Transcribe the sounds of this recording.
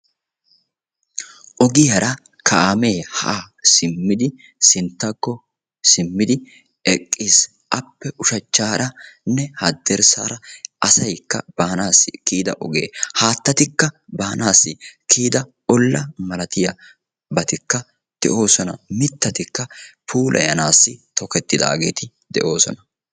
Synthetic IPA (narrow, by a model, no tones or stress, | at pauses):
ʔɔɡɪjɐɾʔɐ | kʰɐʔaːme̞ːhɐʔaːsɪmːɪd̪ɪ | sɪnt̪ːɐkːɔ | sɪmːɪd̪ɪ | ɛkʼːiːs | ʔɐpːɛʔʊʃɐt͡ʃːaːɾɐnːɛhɐd̪ːɛɾsa̰ːɾɐʔɐsɐjkːɐ̰b̥aːnaːsːɪkiːd̪ɐ̰ʔɔɡeːhaːt̪ːɐt̪ɪkːɐbaːnʔaːsːɪkʰiːd̪ɐ | ɔlːɐmɐlɐt̪ɪjɐ | bɐt̪ɪkːɐ | d̪̥ɛ̰ʔo̞ːsɔnɐ̰mɪt̪ːɐt̪ɪkːɐpʰuːlʔɐ̰jɐnaːsːɪt̪ɔkɛt̪ːɪd̪a̰ːɡe̞ːt̪ɪ | d̪ɛ̰ʔo̞ːsɔnɐ